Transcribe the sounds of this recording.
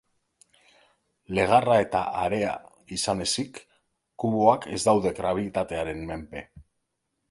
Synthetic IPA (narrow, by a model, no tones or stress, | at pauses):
le̞ɣ̞arae̞t̪a̰ʔaɾe̞a̰ | isane̞sikː | uβoake̞zd̪awðe̞ɡɾaβiit̪at̪e̞aɾe̞nme̞mpe̞